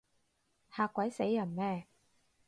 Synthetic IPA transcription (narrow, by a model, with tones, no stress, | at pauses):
haː˨˧kʷːwɐ˨˥jse˨˥jːɐ˨˩nmɛː˧